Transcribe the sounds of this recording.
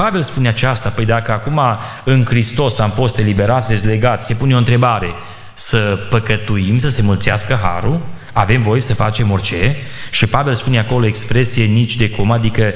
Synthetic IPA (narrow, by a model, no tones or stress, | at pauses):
pave̞lspuneat͡ʃast̪apəjd̪akəakuma | ɨnkɾist̪o̞samfo̞st̪e̞libe̞ɾat̪sʲd̪esʲle̞ɡat̪ʲse̞puneo̞nt̪ɾe̞baɾe̞ | səpəkət̪uimsəse̞mult̪sia̰skəɦa̰ɾul | ave̞mvo̞je̞səfat͡ʃe̞mort͡ʃe̞ʃipave̞lspune̞ako̞lo̞ekspɾe̞sije̞nit͡ʃʲd̪e̞komad̪ikə